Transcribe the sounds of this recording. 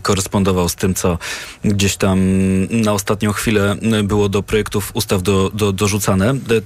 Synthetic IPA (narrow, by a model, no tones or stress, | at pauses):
kɔɾɛspɔnd̪ɔvawst̪ɘmt̪sɔɡd͡ʑeɕt̪amnaɔst̪at̪ɲɔ̃w̃xfʲilɛbɘwɔd̪ɔpɾɔjɛkt̪ufust̪avd̪ɔd̪ɔd̪ɔʐut̪sanɛ